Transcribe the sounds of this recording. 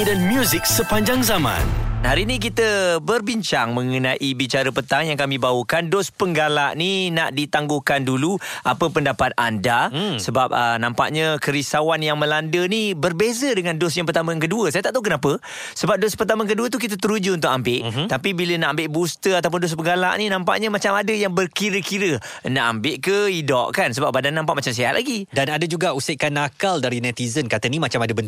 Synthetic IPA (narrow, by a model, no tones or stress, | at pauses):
danmjuzɪk̚səpaɲd͡ʒaŋzamã̰nhaɾinik̬it̪əbərbiɲt͡ʃaŋmə̃ŋənaʔibit͡ʃaɾəpət̪aŋjaŋkamĩbawəkandɔspəŋɡalaʔnina̰ʔdit̪aŋɡokanduluʔapəpəndapat̪̚a̰ndasəbap̚ənãmpa̰ʔɲəkəɾisawanjaŋmə̃landənibərbezədəŋãndosjãŋpərt̪aməaŋk̬əduəsajat̪aʔt̪auŋkənapə | səbap̚dospərt̪aməaŋk̬əduət̪̬uk̬it̪̬ət̪̬əɾud͡ʒuunt̪ʊkʔambɪʔt̪apibilənaʔambɪʔbust̪əat̪awp̬ʊndʊs̬bəɡala̰ʔninãmpa̰ʔɲəmat͡ʃamadəjaŋbərkiɾəkiɾə | naʔambɪʔkəidɔʔkans̬əbap̚badanːãmpaʔmat͡ʃams̬eɦa̰ʔlʔa̰ɡidanadəd͡ʒuɡauseʔkanakaldaɾinɛt̪izənkat̪ənimat͡ʃamadəbənt